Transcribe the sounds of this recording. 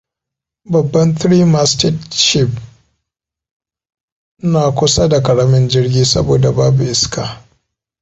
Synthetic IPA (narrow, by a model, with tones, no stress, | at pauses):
bɐ˨bːɐ˦ntɾiː˦ma˨stɪ˦tʃɪ˦˨p̚ | naː˨kʷʊ˦sa˦da˨kɐ˨ɽa˦mɪ˦nd͡ʒɪ˦rɡʲiː˦sɐ̰˦boː˨da˨baː˦bu˨ʔɪ˦skaː˨